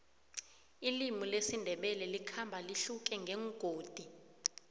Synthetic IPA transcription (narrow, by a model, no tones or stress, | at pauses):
ilimulesindʱɛɓɛlɛlikʰambʱaliɬuk̬ʼɛŋɡʱɛŋɡ̥ʱoːd̥ʱi